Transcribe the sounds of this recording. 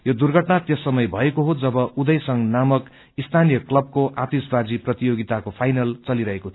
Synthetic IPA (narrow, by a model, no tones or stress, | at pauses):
jod̪urɡʱʌʈnat̪jʌsʌmʌjbʱʌekoɦod͡zʌbʌʔud̪ʌjsʌŋnamʌk | ist̪ʰanijʌklʌb̚koʔat̪isbad͡ziprʌt̪ijoɡit̪akopʰajnʌlt͡sʌliɾʌɦekot̪ʰ